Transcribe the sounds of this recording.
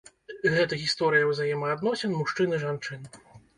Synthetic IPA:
ɣɛt̪ɐɣʲist̪ɔɾɨjɐwzajɛmɐːd̪nɔsʲɛnmuʂt͡ʂɨnɨʐant͡ʂɨn

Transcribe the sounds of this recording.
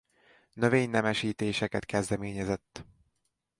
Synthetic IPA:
nøveːɲnɛmɛʃiːt̪eːʃɛkɛt̪kɛzd̪ɛmeːɲɛzɛt̪ː

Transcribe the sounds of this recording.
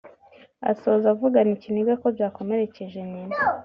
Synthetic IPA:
a̰so̞zavuɡaniciniɡako̞bjaːko̞me̞ɾe̞ceʒe̞nina

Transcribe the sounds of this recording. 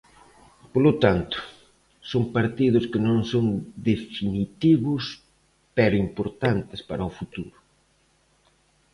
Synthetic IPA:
polot̪ant̪ʊ̥ | sompaɾt̪ið̞ʊskɪnõŋsoŋd̪efinit̪iβʊs | pɛɾʊimpoɾt̪ant̪ɪspaɾɐofut̪uɾʊ

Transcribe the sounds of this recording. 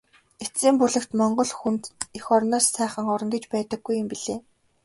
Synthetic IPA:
esiːmpuɮɘ̆kt̪mɔɴɢɞ̆ɮxunt̪exɔɾnɔːssæːχə̆ŋɔɾɞ̆ŋɡĕt͡ɕpæːt̪ə̆ɡːujə̆mpiɮeː

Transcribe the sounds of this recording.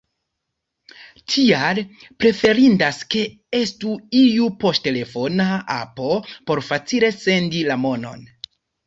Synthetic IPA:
tʰialpɾe̞fe̞ɾindaske̞ | e̞stuijupo̞stte̞le̞fo̞naa̰po̞po̞ɾfat͡sile̞se̞ndilamo̞no̞̰n

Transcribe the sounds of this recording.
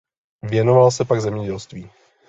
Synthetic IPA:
vjɛnovalsɛpaɡzɛmɲɛɟɛlst̪viː

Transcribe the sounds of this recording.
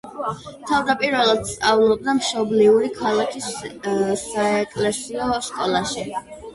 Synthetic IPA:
t̪ʰavd̪apʼiɾvɛlˠad̪̥st̪ʼavlˠɔb̚d̪amʃɔbliuɾikʰalˠakʰis | saɛkʼlɛsiɔʃkʼɔlˠaʃi

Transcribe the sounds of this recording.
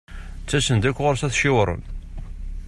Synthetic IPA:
t͡sːæsənd̪ækʷːʁoɾsæθʃɪwɾˤə̰n

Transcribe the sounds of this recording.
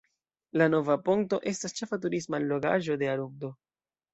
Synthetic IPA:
lano̞vapoŋk̚to̞ʔe̞stast͡ʃe̞fatuɾismalo̞ɡa̰ʒo̞de̞aɾumdo̞

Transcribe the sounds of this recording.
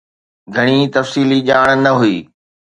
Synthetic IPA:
ɡʱɐɽ̃it̪ɐfsiːliʄaːɽ̃nɐɦuiː

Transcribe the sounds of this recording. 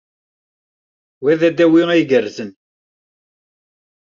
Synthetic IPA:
wæðæd̪æwiiʝəɾzən

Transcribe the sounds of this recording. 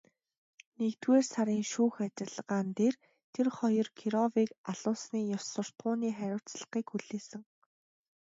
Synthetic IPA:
nekt̪weːrsaɾiːŋʃuːxat͡ɕɪ̆ɮɢaːnt̪eːr | t̪ʰerχɔjɞ̆rkʰiɾɔviːkaɮʊːsniːjɔwsʊ̆r̥t̪ʁʊːniːχæɾʲʊːt͡sɮə̥̆χiːkxuɮeːsɘ̆ŋ

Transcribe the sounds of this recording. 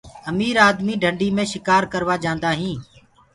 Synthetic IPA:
əmiːɾaːd̪miːɖʱəɳɖiːmẽːʃɪkaːɾkəɾʋaːd͡ʒãːnd̪aːɦĩː

